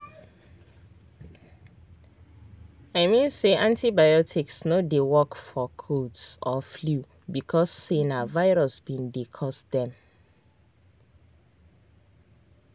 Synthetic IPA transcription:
aɪmĩnseʔãntibajɔtʰiksnodewɔkfɔkʰodsɔflu | bikʰɔsːenavaɪɹɔsbĩndekʰɔsdɛ̃m

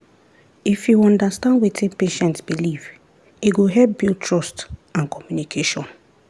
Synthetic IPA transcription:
ifjuɔ̃ndastãndwetĩnpeʃɛ̃ntsbiliv | iɡoɦɛlp̚biltʰɹɔstãnkʰɔmjunikʰeʃɔ̃n

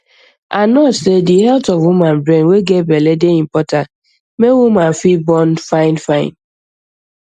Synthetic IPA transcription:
anɔsedihɛltɔvwumãnbɾẽnweɡebeledeim̩pɔta | mewumãnfibɔnfaɪ̃nfãɪ̃n

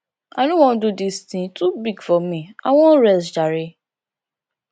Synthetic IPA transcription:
anũwɔ̃dudistĩtubiɡfɔmĩa̰w̃ɔ̃ɾɛsd͡ʒaɾe

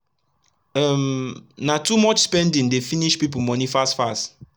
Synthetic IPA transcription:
mnatumɔt͡ʃspɛ̃ndĩŋdefiniʃpip̬umɔnifastfast

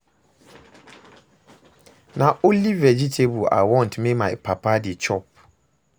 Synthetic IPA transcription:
nãʔolivɛd͡ʑitʰebua̰wɔ̃ntʰmẽmãɛpʰapʰadɪɛt͡ɕʰɔp̚

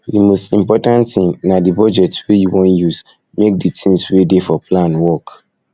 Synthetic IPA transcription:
dimostĩmpɔtãnttĩŋnadibɔd͡ʒɛtswejuwɔ̃njuz | mek̚ditʰĩswedefɔplãnwɔk

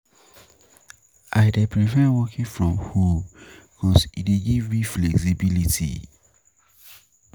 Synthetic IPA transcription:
ʔaɪdɛpʰɹifɛwɔkʰĩnfɹɔ̃mhukʰɔsideɡivmiflɛksibilitḭ

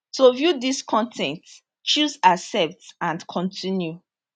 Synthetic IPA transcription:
tovjudiskʰɔ̃ntʰɛ̃nt | t͡ʃuzasɛp̚tãnkʰɔ̃ntʰĩnju

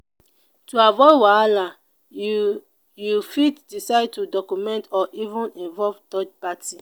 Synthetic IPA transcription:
tuavɔwaala | jufitdisaɪd̚tudɔkumɛ̃ntɔʔivũnĩnvɔlvdɔd͡ʒpatʰi

